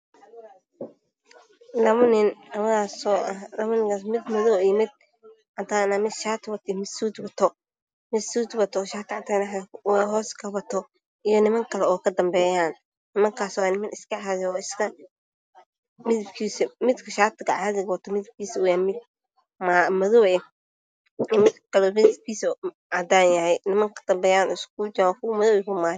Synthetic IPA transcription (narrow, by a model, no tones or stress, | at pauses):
nɐmʊnɪnɐmɐaːsɔːʔɐhnɐmʊnɪŋkʰaːsmɪd̪mɔðɔːijmɪd̪̚ | ʕat̪ʰaːnamɪʃaːt̪ʰwɐt̪ʰɪmɪsuːt̪bɐt̪ʰɔ | mɪsuːt̪wɐt̪ʰɔʃaːt̪ʰɪʕɑnt̪ʰaːnwɛɦɔːskʰɐβɐt̪ʰɔ | ijɔnɪmɐŋkʰɐlɛɔːkʰɐd̪ɐmbɛːjaːn | nɪmɐŋkʰaːsɔːnɪmɐnɪskɐʕaðɛɔːɪskʰɐ | mɪðɪbkʰiːsɛmɪd̪kʰɐʃaːt̪ʰɪɡɐʕaːðɪɡwɐt̪ʰɔmɪðɪb̚kʰiːsɐʊjaːmɪd̪̚ | maːmɐðɔwɛ | mɪd̪kʰɐlɛbɛsbkiːsɐ | ʔad̪aːnjɐhɛjnɪmɐŋkʰɐ̥d̪̥ɐmbɛːjaːnʔɔɪskuːd͡ʒawkʰʊwmɐðɔwɛkʊmaː